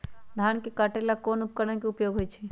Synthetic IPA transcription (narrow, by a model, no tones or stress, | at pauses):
d̪ʱankekaʈelakonup̚kəɾənkeupjoɡʱɦojt͡ʃʰɛ